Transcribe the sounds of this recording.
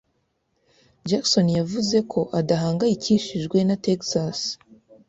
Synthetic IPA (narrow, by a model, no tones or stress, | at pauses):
d͡ʒakso̞njavuze̞kʰo̞ʔadaɦaːŋɡajiciʃiʒɡwe̞nateksas